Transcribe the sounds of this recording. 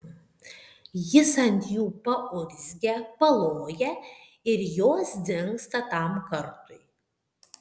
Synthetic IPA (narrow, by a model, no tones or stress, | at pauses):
jɪsɐnʲt̪ʲjuːpɐʔʊɾʲzʲɡʲɛpɐlˠoːjɛ | ɪɾjoːsd̪ʲɪŋkst̪ɐt̪ɐˑmkɐɾt̪ʊɪ